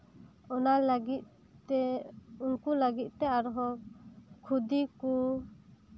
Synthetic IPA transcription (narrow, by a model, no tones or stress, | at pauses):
ɔnalaɡit̪ | ɛunkulaɡit̪̚ˀt̪ɛaɾɔɦɔ | kʰud̪iku